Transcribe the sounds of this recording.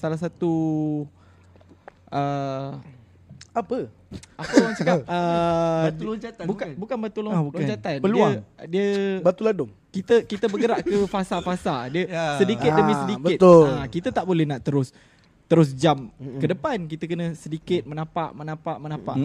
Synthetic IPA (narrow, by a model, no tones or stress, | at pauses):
salas̬at̪u | ʔə | apə | apəluaŋsəkap̚ə | tuld͡ʒat̪abukabukanbət̪ulobud͡ʒat̪anpəluadiəbat̪uladʊŋ | kit̪əkit̪əbəɡəɾaʔkəfasafasadiəsədikɪt̪dəmĩsədikbəɪt̪oakit̪ət̪aʔbolɛhnaʔt̪əɾʊs | t̪əɾʊs̬d͡ʒamkkədəpankit̪əkənə̃sədikɪt̪̚mənapaʔmənãpaʔmənãpa̰ʔ